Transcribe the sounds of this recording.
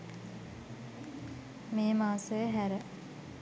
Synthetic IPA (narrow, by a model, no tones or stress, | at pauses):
meːmaːsəjəɦæɾə